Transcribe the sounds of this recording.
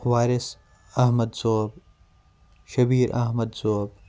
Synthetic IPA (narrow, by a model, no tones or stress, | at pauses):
ʋaːɾɪs | ɐɦmɐd̪zoːb | ʃɐbiːɾʔɐ̰ɦmɐd̪zoːb